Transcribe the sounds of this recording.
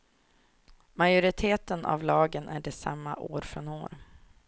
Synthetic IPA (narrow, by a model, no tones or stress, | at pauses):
majʊɾɪt̪ʰeːt̪ənʔa̰vlɑːɡənʔæɖɛsa̰mːa̰ʔoːɾfɾɔno̰ːɾ